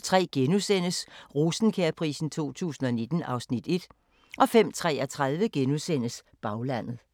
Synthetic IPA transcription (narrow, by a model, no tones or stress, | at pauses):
t͡sʰʁɛ̰ːɡ̥enusen̰əsʁusn̩kʰeɐpʰʁḭːsn̩t͡sʰo̝̰ːt͡sʰṵːsn̩ɒ̽ne̝d̥n̩ʔɑ̈ʊsnid̥e̝d̥ | ʔɒ̽fem̰t͡sʰʁɛ̰ːɒt͡sʰʁaðˠʋəɡ̥enusen̰əs | b̥ɑ̈ʊlæn̰ð̩ˠ